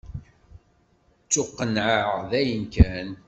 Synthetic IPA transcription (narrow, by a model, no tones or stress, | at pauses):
t͡sːʊqːənʕəʁðæjənkæn